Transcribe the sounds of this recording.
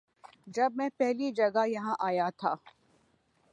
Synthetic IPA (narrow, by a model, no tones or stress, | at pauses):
d͡ʒɐbmɛ̃pɛɦlid͡ʒɐɡajɐɦãʔaːjat̪ʰa̰ː